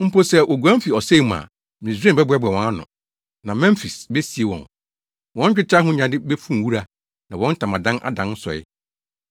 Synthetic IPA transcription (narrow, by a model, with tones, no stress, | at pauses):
m̩˦po˦sɛ˦ʔo˨ɡu˨ã˦m̩˦fi˨ɔ˨se˦˨mã̰˨ | m̃˨ĩ˨s̬ẽ˦˨bɛ˦bʊ˨˦ɛ˦bɛ˨wɔ̃˨˦a˦nʊ̰̃˨ | nã˨mɛ̃˦m˦fi˨sbɛ˦si˨e˨wɔ̰̃˨n | wɔ̃˦n˦t͡ɕᶣɪ˦t͡ɕʰa˦ɦʊ̃˦ɲã˨dɪ˦bɛ˦fũ˦m˨wu˦ɾa˦ | nã˨wɔ̃˦n̩˦tʰã˨mã˨dã˦nʔa̰˦dã˨n̩˦sɔ̰˨ɪ̰˦